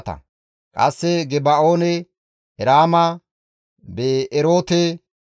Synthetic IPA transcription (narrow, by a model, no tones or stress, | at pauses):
t̪ɐ̰ | kʼɐsːɛɡɛbaoːnɛ | hɛɾaːmɐ | beːɾo̞ːt̪ɛ